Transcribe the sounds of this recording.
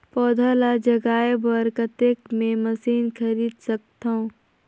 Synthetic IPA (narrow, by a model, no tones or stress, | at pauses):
pɔːd̪ʱalad͡ʒɐɡaːjəbəɾkət̪ekmẽmɐsiːnkʰɐɾiːd̪sɐk̚t̪aõː